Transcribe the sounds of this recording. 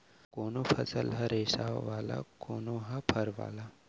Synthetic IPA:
koːnopʰɐsəlɦɐɾesaʋaːla̰koːnoɦɐpʰɐɾʋa̰ːla

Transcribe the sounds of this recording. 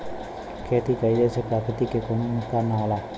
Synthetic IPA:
kʰeːt̪iːkaiːd̪eːsepɾaːkət̪iːkekonũːt̪aːnaːlaː

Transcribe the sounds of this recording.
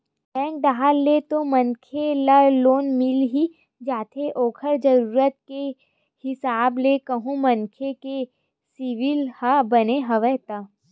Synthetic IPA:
bɛ̃ːŋk̚d̪aɦalːet̪omɐ̃nkʰelaloːnmɪlɦi | d͡ʒaːt̪ʰeʔɔːkʰəɾd͡ʒɐɾuːɾət̪̚ke | hɪsaːblekɐɦũmɐnkʰeke | siʋɪlhabɐneɦɐʋɛɦt̪aː

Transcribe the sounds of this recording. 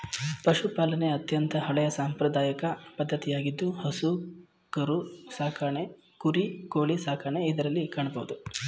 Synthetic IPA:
pɐʃupaːlɐne̞ɐt̪jɐnt̪ʰɐɦɐɭɛjɐsaːmpɾɐd̪aːjɐkɐpɐd̪ʱːɐt̪ijaːɡid̪ːuhɐsu | kɐɾusaːkʰaɳe | kuɾikoːɭisaːkaːɳeid̪ɐɾɐlːikaːɳɐbɐʋud̪u

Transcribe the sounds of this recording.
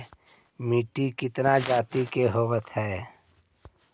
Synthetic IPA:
miːʈikɪt̪nad͡ʒaːt̪ikeɦoːwət̪hɛː

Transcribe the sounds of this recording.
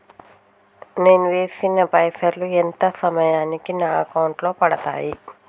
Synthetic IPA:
ne̞ːnuʋe̞ːsinːɐpɐjsɐɾluent̪ɐsɐmɐjaːnikinaːɐkɐwɳʈlo̞ːpɐɽɐt̪a̰ːji

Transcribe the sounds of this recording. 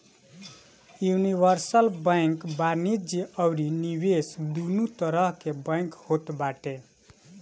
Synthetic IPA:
junibʌɾsəlbəjŋkbanid͡ʒiʌwɾinibesd̪unut̪ʌɾʌɦkebə̃jŋkhot̪baʈe

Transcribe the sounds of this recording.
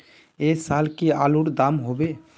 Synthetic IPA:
esaːlkiaːluɾd̪amɦobe

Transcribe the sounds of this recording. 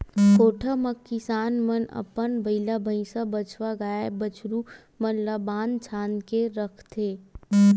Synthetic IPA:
koːʈʰaməkːɪsaːnmənɐ̰pənbɐɪlabʱə̃ĩsabɐt͡ʃʰʋaɡaːabət͡ʃʰɾu | mɐnlabaːnt͡ʃʰaːnkeɾɐkʰt̪ʰeː

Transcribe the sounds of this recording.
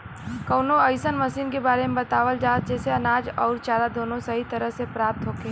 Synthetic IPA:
kɐʊnoəɪsənmɐsiːnkebaːɾemẽbɐt̪aːʋəld͡ʒaːt̪̚d͡ʒɛːseɐnaːd͡ʒɔːɾt͡ʃaːɾad̪oːnõsɐɦit̪ɐɾəɦsepɾaːp̚t̪ɦoːkẽ

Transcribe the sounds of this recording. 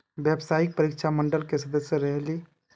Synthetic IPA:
bjebsaik̚pəɾikt͡ʃʰaməɳɖəlkesəd̪əsjəɾəɦli

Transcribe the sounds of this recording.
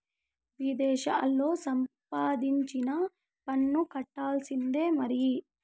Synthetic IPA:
ʋid̪ɛːʃaːlːo̞ːsɐmpaːd̪iɲt͡ʃinɐ | pɐnːukɐʈːaːlsind̪e̞ːmɐɾi

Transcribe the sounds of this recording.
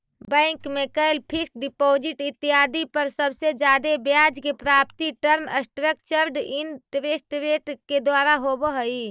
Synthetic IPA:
bə̃ɪŋkmekəelpʰikɖipoːd͡ʒiʈit̪ːiɦaːd̪ipəɾsəbsed͡ʒjaːd̪ebjaːd͡ʒkepɾaːpt̪iʈəɾməsʈɾək̚t͡ʃəɾɖinʈɾesʈɾeʈked̪waːɾaɦobəɦəi

